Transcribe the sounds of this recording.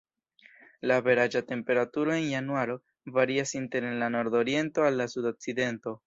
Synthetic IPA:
lave̞ɾad͡ʒate̞mpe̞ɾatuɾo̞e̞njanuaɾo̞ | vaɾiasinte̞ɾe̞nlano̞ɾdo̞ɾie̞nto̞alːasudo̞k̚side̞nto̞

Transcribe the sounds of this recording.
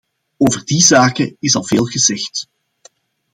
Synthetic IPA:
oːvərdizaːkəɪsɑlˠveːlˠɣəzɛxt

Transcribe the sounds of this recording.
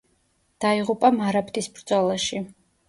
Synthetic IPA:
d̪̥aiʁupʼamaɾapʰt̪ʰʼisbɾd̪zɔlaʃi

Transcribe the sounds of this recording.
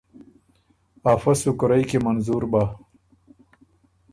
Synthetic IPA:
aːfɐsukɾɐjkemɐnzuɾbaː

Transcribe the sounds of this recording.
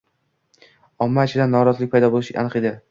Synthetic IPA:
ɒmːat͡ʃʰɪd̪anːɒɾɒzlɪk̚ʲpʰajd̪ɒbolˠɪʃɪ̰ʔa̰nɨqed̪ɪ

